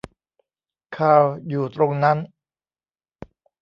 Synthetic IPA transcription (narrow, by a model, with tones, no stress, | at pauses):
kʰaː˨˧˩wjuː˨˩t̪ɾo˧ŋna˦˥n